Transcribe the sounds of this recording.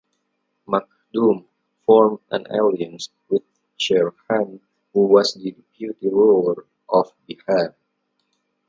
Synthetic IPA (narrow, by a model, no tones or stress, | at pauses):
mak̚dum | fɔɹmʔã̰na̰liə̃ns | wɪθ | ʃɛɹhãn | huwɔsdidipʰjut̪iɹoɹ | ʔɔfbihaɹ